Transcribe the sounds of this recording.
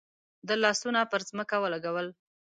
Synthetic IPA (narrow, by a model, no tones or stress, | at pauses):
d̪əlɑsunapəɾzməkawəlaɡawəl